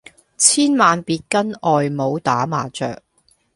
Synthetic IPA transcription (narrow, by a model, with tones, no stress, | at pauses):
t͡sʰiː˥nmaː˨npiː˧t̚kɐ˥nɔː˨jmo˨˧wt̪aː˨˥maː˨t͡sœː˨k̚